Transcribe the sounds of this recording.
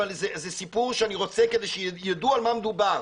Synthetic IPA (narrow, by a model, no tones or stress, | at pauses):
alzezesipuʁʃeaniʁo̞t͡seked̪ejʃejad̪ualmamed̪ubaʁ